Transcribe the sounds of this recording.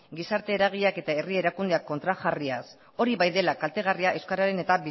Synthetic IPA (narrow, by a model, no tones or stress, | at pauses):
ɡisaɾt̪e̞ːɾaɣ̞iake̞t̪ae̞rie̞ɾakund̪eakːo̞nt̪ɾaxarias | o̞ɾiβajðe̞lakalt̪e̞ɣ̞ariaʔe̞wskaɾaɾe̞ne̞t̪abi